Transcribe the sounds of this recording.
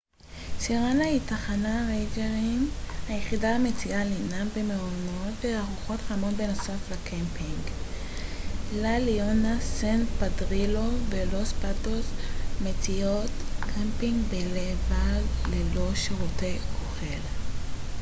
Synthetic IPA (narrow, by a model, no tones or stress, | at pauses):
siʁanlaitaχanaʁejd͡ʒeʁimhajeχidaamet͡siʔalinambemeonotveaʁuχo̞tχamo̞tbe̞no̞saflakʰempiŋɡ | lalionasenpadʁilo̞velospatosmet͡siotkʰampiŋɡbelevallelo̞ʃeʁutejoχel